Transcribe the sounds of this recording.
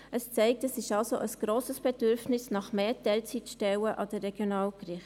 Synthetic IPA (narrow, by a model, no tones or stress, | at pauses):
ʔəst͡sɛɪk̚təsɪʃɑlsoʔəsɡ̥ɾoːsəsb̥ed̥ʏɾfnɪsnɑχmeːtɛlt͡sitʃtɛwəʔɑd̥əːɛɡ̥jonɑːlɡrɪχ